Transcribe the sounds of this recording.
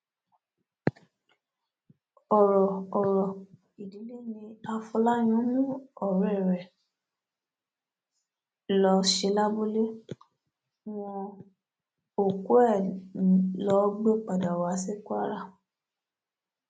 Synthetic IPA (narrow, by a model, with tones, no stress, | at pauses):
ɔ˨ɾɔː˨ɾɔ˨ | i˨di˨˦le˦˨nĩ˧a˧fɔ˧la˦j̃ũ˨˦nũ˦ɔ˨ɾɛ˨ɾɛ˨ | lɔ˧ʃe˧la˦bo˦le˦ | w̃ɔ̃˧ | o˨ku˦ɛ˦˨ | lɔ˨˦ɡ͡bɔ˦k͡pa˨da˨wa˨˦se˦kwa˦ɾa˦˨